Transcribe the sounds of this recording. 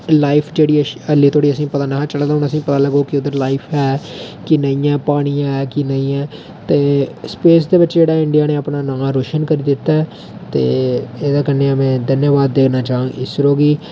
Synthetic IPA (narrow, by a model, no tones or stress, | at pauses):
laːipʰd͡ʒeːɽiːəəlːiːt̪ʰoːɽiːəsĩːpət̪aːnaãːt͡ʃəlːd̪aʊnəsĩːpət̪aːləɡoːkɪʊd̪əɾlaːipʰɛːkɪnəĩːɛ̃ːpaːɽ̃iːãɛːkinəĩːɛ̃ː | t̪eːspeːsd̪eːʋɪːt͡ʃd͡ʒeːɽaːɪɳɖijaːneːəpnaːnaːãːɾoːʃənkəɾiːd̪ɪt̪ːaːɛ | t̪ḛːeːd̪aːkənːeːmɛ̃ːd̪ənjaːʋaːd̪ːeːkʰnaːt͡ʃaːãːɪsɾoːɡiː